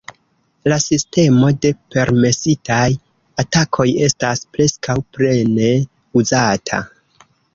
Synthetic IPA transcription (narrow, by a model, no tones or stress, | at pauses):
lasiste̞mo̞de̞pe̞ɾme̞sitʰaj | atakʰo̞je̞staspɾe̞skawpɾe̞ne̞ | uzatʰa̰